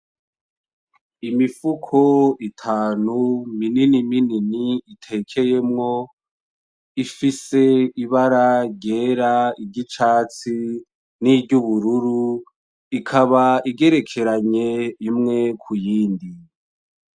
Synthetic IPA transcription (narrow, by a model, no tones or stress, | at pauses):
imifukʰoitʰaːnumininimininiitʰe̞kʰe̞je̞mŋo̞ | ifise̞iβaɾaɾɟeɾaiɟit͡ʃaːt͡si | niɟuβuɾuɾu | ikʰaβaiɡe̞ɾe̞kʰe̞ɾaɲe̞imŋe̞kʰujiːndi